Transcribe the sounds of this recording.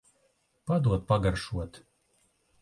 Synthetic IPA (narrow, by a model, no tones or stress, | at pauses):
pad̪uɔt̪̚paɡaɾʃuɔt̪